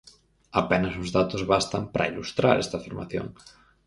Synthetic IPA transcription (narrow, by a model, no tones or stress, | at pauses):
apɛnɐsʊzðat̪ʊzβast̪ɐmpɾʔɐ̰ilust̪ɾa̰ɾɛst̪afiɾma̰θjo̰ŋ